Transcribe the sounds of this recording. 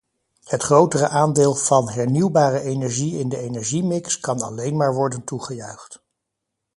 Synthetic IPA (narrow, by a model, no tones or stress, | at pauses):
hətχrowtərəʔaːndɪːlˠv̥ɑnɦɛɹniwbaːrəʔejnɛɹʒiɪndəejnɛɹʒimɪkskɑnɑ̰lejnmaːɹʋɔɹdəntuχəjœɥχt